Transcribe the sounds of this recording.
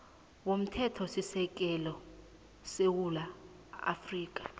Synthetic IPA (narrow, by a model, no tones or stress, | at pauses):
wom̩tʰɛtʰɔsisɛk̬ɛlɔ | sewula | a̰friːk̬ʼḁ